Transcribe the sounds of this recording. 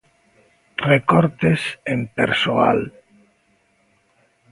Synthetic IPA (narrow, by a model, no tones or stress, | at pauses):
rekoɾt̪esempeɾsoa̰l